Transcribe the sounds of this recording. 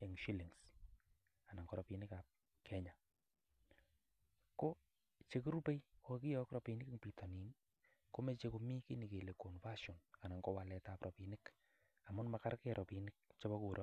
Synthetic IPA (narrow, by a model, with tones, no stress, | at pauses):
ɛ˨ŋʃi˦li˨ŋs | a˨na˨ŋkɔ˨ɾɔ˨pi˨nɪ˦ka˨p̚ | kʰɛ˦ɲa˨ | ko˦ | t͡ʃe˨ku˦ɾu˦pe˦jki˦jɔ˦kɾɔ˨pi˨nɪ˦kŋpi˨tɔ˨ni˨n | ko˦me˦t͡ʃe˦ko˧mi˦ki˦ni˨ke˨le˨ko˨nfa˦ʃɔ˨na˨na˨ŋkɔ˦wa˨lɛ˨ta˨pɾʔɔ˨pi˨nɪk | a˨mʊ˦nma˨ka˦ɾkɛɾʔɔ˨pinɪk̚t͡ʃɔ˦bɔ˦ku˨ɾʔɔ˦